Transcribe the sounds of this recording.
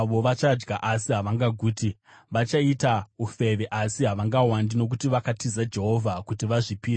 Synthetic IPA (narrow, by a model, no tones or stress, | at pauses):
ʋo̞ʋat͡ʃad͡ʒɡaʔasiɦaʋaŋɡaɡʱuːti | ʋat͡ʃaitaufe̞ʋeʔasiɦaʋaŋɡawandino̞k̬utiʋakatizad͡ʒe̞ɦo̞vʱakutiʋaʐipiːɾe